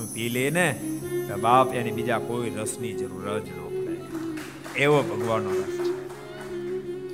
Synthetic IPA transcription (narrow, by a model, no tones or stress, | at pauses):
ũpilenet̪əbapjãnibid͡ʒakoiɾəsnid͡ʒəɾuɾət̪nə̃kəɾḛ | eʋobʱəɡʋanoɾəst͡ʃʰe